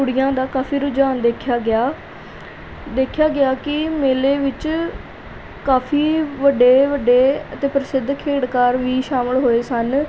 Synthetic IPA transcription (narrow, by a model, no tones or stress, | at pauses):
ʊɽɪjãːd̪aːkaːfʰiːɾʊd͡ʒaːnd̪eːkʰjaːɡɪaː | d̪eːkʰjaːɡɪaːkɪmeːleːʋɪt͡ʃ | kaːpʰiːʋəɖeːʋəɖeːət̪ẽːpɾɪsɪd̪ʱkʰeːɽkaːɾʋiːʃaːməlɦoːeːsən